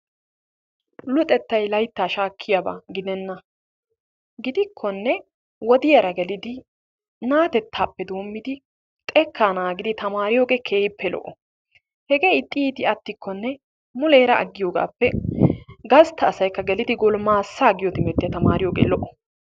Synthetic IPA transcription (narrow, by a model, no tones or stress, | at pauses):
lʊt̪ʼɛt̪ːɐjlɐjt̪ːaːʃaːkʰːɪjaba̰ːɡɪd̪ɛnːɐ | ɡɪd̪ɪkʰːɔnːɛ | wɔd̪ɪjɐɾɐɡɛlɪd̪ɪ | naːt̪ɛt̪ʰːaːpːɛd̪o̞ːmːɪd̪ɪ | tt̪ʼɛkːaːnaːɡɪd̪ɪt̪ɐmaːɾɪjoːɡekʰeːjpːɛlɔ̰ʔɔ | hɛɡeːɪt̪ʼːiːt̪ɪɐt̪ːɪkʰːɔnːɛ | mʊle̞ːɾɐɐ̰ɡːɪjoːɡa̰ːpːɛ | ɡɐst̪ʰːɐːsɐjkːɐɡɛlɪd̪ɪɡɔlmaːsːaɡɪjɔt̪ɪmɛt̪ːɪjɐt̪ɐmaːɾɪjoːɡḛːlɔʔɔ̥